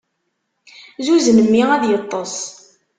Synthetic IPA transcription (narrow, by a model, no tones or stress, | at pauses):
zuznəmːiæðjət̪ˤːɑs